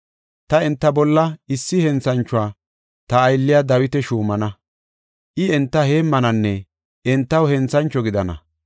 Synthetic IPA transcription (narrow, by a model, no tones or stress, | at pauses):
t̪ɐɛnt̪ːɐbɔlːɐɪsːɪhɛnt͡sɐnt͡ʃːʊaː | t̪ɐːjlːɪjad̪ɐwɪt̪ɛʃuːmɐnɐ | ʔɪɛnt̪ːɐheːmːɐnɐnːɛ | ɛnt̪ːɐwhɛnt͡sɐnt͡ʃːɔɡɪd̪ɐnɐ̰